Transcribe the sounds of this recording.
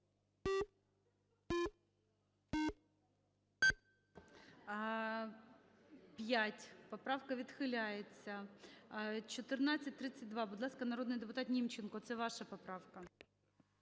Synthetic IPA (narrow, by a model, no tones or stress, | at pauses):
pʲjatʲpɔpɾɑwkɐʋʲid̪xɪlʲajet͡sʲːɐ | t͡ʃɔt̪ɪrnat͡sʲɐt̚ʲt̪ɾɪt͡sʲɐt̚ʲd̪ʋɑbʊd̪lˠɑskɐnɐɾod̪nɪjd̪epʊt̪ɑt̪nʲimt͡ʃenkɔt̪sɛʋɑʃɐpɔpɾɑʋkɐ